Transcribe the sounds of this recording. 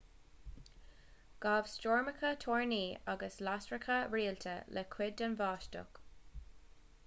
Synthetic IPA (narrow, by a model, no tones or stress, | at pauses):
ɡ̥aːv̥st͡ʃoːɹməkʰət̪ʰoːɹniːaɡəslastɹəkʰəɹiːlt̪ʰə̰lʔɛkʰwɪdənvɑːʃtʊ̰k